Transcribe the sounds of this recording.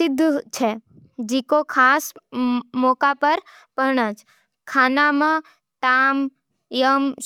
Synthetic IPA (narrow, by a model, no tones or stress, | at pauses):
ɪd̪ʱːt͡ʃʰe | d͡ʒikokʰas | mɔkapəɾ | pəɾɳət͡ʃ | kʰanamã | ʈ̪am | jəm